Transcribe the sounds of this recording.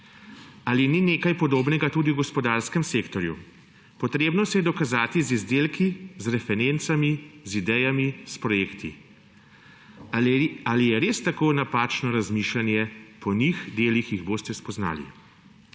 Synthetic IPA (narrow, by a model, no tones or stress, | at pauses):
alinineːkajpɔd̪oːbnɛɡat̪uːd̪iwɡɔspɔd̪aːɾskɛmsekt̪ɔɾjṵ | pɔt̪ɾeːbnɔsɛjɛd̪ɔkazaːt̪izizd̪eːlkizɾɛfɛɾent̪samizid̪ɛjamispɾɔjeːkt̪ʰi | alijɛɾeːst̪akoːnapaːt͡ʃnɔɾazmiːʃlanjɛpʰɔnixd̪eːlixjiɣboːst̪ɛspɔzna̰ːlḭ